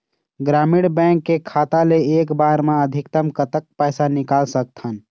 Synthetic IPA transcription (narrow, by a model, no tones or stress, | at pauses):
ɡɾamiɽbɛ̃ŋkːekʰaːt̪aleeːkbaɾmãəd̪ʱikt̪əmkət̪ək̚pɛjsanikalsək̚t̪ʰən